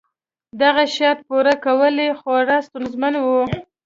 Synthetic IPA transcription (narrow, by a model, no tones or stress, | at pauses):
d̪aɣaʃɑt̪̚puɾakawəlexoɾast̪unzmanwu